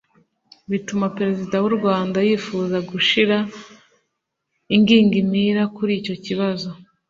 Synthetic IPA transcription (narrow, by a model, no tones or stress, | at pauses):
βitumapeɾe̞zidawuɾɡwaːndajiːfuːzaɡuʃiɾa | iŋɡiːŋɡimiɾakuɾiːco̞ciβazo̞